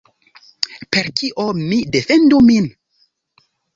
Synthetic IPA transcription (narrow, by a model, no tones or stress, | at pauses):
peɾkiʔomidefendumin